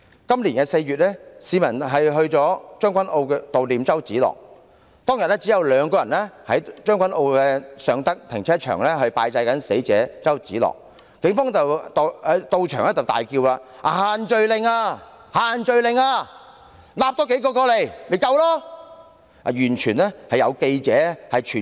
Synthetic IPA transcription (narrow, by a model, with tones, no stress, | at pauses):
kɐ˥mliː˨˩nkɛː˧se˧jɥyː˨t̚lɛː˥siː˨˧mɐ˨˩nɦɐ˨jɦɵ˧ɥt͡sɔː˨˥t͡ʃœː˥ŋkʷɐ˨˥nʔo˧wkɛː˧t̪o˨wliː˨mt͡sɐ˥wt͡siː˨˥lɔ̰ː˨k̚ | t̪ɔː˥ŋjɐ˨t̚lɛː˥t͡si˨˥jɐ˨˧wlœː˨˧ŋkɔː˧jɐ˨˩nlɛː˥hɐ˨˥jt͡ʃœː˥ŋkʷɐ˨˥nʔo˧wkɛː˧sœː˨˧ŋt̪ɐ˥k̚t̪ʰɪ̰˨˩ŋt͡sʰɛː˥t͡ʃʰœ̰ː˨˩ŋlɛː˥ɦɵ˧ɥpaː˧jt͡sɐ˧jkɐ˨˥nse˨˥jt͡sɛ̰ː˨˥t͡sɐ˥wt͡siː˨˥lɔ̰ː˨k̚ | kɪ˨˥ŋfɔː˥ŋt͡sɐ˨wt̪o˨ɛ˨˥t̪o˧wt͡ʃʰœː˨ŋɛː˥t͡sɐ˨wt̪aː˨jkiː˧wlaː˧ | ʔaː˨haː˨nt͡ʃɵ˧ɥlɪ˨˧ŋaː˧ | haː˨nt͡ʃɵ˨ɥlɪ˨ŋaː˧ | laː˨p̚tɔ˨˥ke˨˥jkɔː˧kɔː˧le˨˩jme˨˩jkɐ˧wlɔː˥ | a̰˨jyː˨˩nt͡ʃʰyː˨˩nlɛː˥hɐ˨jɐ˨˧wke˧jt͡sɛː˨˥hɐ˨jt͡ʃʰyː˨˩